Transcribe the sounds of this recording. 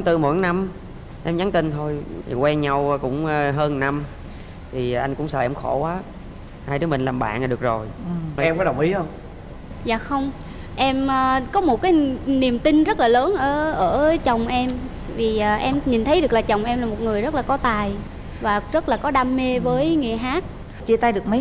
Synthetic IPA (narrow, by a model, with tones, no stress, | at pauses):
ŋ͡mt̪ɨ˨˩mo̰˧˩˦jna˧m | ʔɛ˧mɲa˨˦nt̪ï˧nt̪ʰo˧jkwɛ˧nɲa˧wkʊ̰˧˥ŋ͡mɦəː˧nna˧m | t̪ʰi˨˩˨ʔa˧jŋ̟kʊ̰˧˥ŋ͡msaː˧˩ʔɛ˧mŋ͡mxo˧˩kwaː˨˦ | haː˧jɗɨː˨˦mï˨˩ŋlaː˨˩mɓa̰ː˧˨nʔaː˨˩ɨ˨˩ək̚zo˨˩jɛ˧mkɔ˨˦ɗə˨˩wŋ͡mʔi˨˦xə˧wŋ͡m | zaː˨˩xə˧wŋ͡m | ʔɛ˧məː˨˧˩kɔ˨˦mo˨˩t̚kaː˨˦jni˨˩əmt̪ï˧nzə˦˥t̚laː˨˩ləː˨˦nʔəː˧˩ʔəː˧˩t͡ɕə˨˩wŋ͡mʔɛ˧m | vi˨˩ʔaː˨˩ʔɛ˧mɲi˨˩nt̪ʰə˨˦jɗɨ˨˩ək̚laː˨˩t͡ɕə˨˩wŋ͡mʔɛ˧mlaː˨˩mo˨˩t̚ŋɨ˨˩əjzə˦˥t̚laː˨˩kɔ˨˦t̪aː˨˩j | vaː˨˩zə˦˥t̚laː˨˩kɔ˨˦ɗaː˧mːe˧vəː˨˦jŋḛ˨ɦaː˦˥k̚ | t͡ɕe˧t̪aː˧jɗɨ˨˩ək̚mə˨˦j